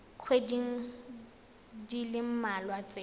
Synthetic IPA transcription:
q͡χʰwediŋ̩ | dilɪm̩malwat͡sʼe

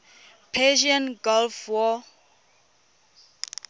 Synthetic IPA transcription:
pʰɛʃiɔ̃nɡɔlfwɔ

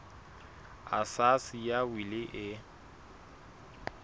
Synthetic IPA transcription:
a̰sasijawilɪʔɪ

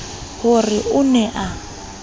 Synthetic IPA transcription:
hʊrɪʔʊnɛʔa

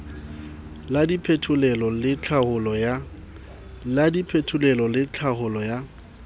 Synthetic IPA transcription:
ladipʰetʰʊlɛlɔlɪt͡ɬʰahʊlɔa | ladipʰetʰʊlɛlɔlɪt͡ɬʰaɦʊlɔja

